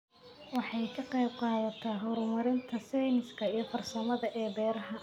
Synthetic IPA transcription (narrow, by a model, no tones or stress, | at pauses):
wɑħɑjkʰɐqejb̚qɑːðɐt̪ʰɐɦɔɾmɐɾɪnt̪ʰɐsɛjnɪskʰɐijɔfɐrsɐmɐðɐʔɛːbɛːɾɐɦɐ